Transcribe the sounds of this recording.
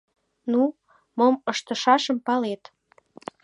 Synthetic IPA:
nu | moməʃt̪ə̆ʃɑʃəmpɑlet̪

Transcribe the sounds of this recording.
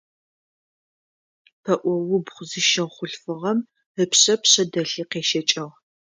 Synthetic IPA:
tʰɐʔʷɔwʊbχʷʊzɨʃɐχʷʊɬfɨʁɐm | əpɕɐpɕɐdɐɬiːqeːʃɐt͡ʃʼɐʁ

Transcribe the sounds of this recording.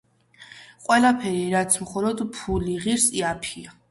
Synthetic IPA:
qʼwɛlapʰɛɾiɾat̪sʰmχɔlˠɔd̪pʰuliʁiɾsiapʰia

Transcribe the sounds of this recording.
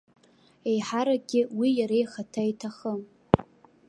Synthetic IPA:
e̞jħaɾaɡʲɪwijaɾejχatʰaitʰaχəm

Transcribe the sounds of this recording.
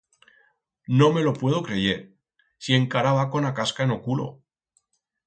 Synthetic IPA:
no̞me̞lo̞pwe̞ð̞o̞kɾe̞ʝe̞ɾ | sie̞ŋkaɾaβako̞nakaskaeno̞kulo̞̰

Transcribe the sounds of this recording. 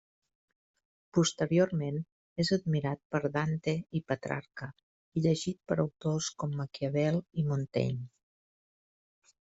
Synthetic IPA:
pust̪əɾioɾmen | ezəd̪miɾat̪̚pəɾðant̪eipət̪ɾa̰ɾkə | iʎəʒit̪̚pəɾəwt̪oskɔmːəkiəβɛlˠimunt̪ɛ̰ɲ

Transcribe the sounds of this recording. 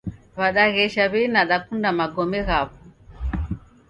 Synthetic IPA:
βaɗaɣɛʃaβɛnaɗakundamaɡɔmɛɣaβu

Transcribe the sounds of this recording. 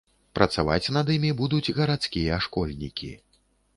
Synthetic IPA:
pɾɐt̪sava̰t͡sʲnɐd̪imʲibud̪ud͡zʲɣɐɾat̪skʲijɐʂkɔlʲnʲḭkʲḭ

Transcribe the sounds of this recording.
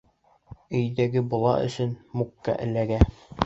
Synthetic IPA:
ɵ̆jd̪æɡɘbulˠɑ̰ʔɵ̰̆sɵnmukːɑ̰ʔɘ̆læɡæ

